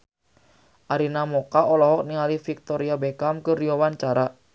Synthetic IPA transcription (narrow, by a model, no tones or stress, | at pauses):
ʔaɾinamokaɔlɔhɔk̚niŋalifik̚t̪ɔɾiabekamkərijowant͡ʃaɾa